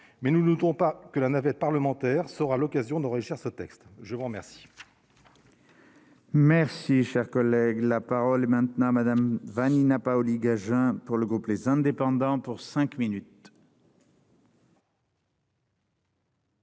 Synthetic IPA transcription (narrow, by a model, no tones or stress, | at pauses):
mɛnunut̪ɔ̃pakəlanavɛt̪̚paʁləmɑ̃t̪ɛʁsəʁalɔkazjɔ̃d̪ɑ̃ʁiʒiʁsət̪ɛkst̪ʒəvuʁəmɛʁsi̥ | mɛʁsiʃɛʁkɔlɛɡlapaʁɔlɛmɛ̃t̪nɑ̃mad̪amvaninapaɔliɡaʒɛ̃puʁləɡʁuplezɛ̃d̪epɑ̃d̪ɑ̃puʁsɛ̃kminyt̪